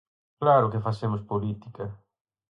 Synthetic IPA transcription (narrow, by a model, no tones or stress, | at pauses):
klaɾʊkɪfasemʊspolit̪ikɐ